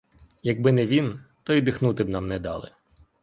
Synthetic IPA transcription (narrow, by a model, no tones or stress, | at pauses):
jɐɡ̚bɪnɛʋʲint̪ɔid̪ɪxnut̪ɪbnɑmnɛd̪ɑ̰lˠɪ̰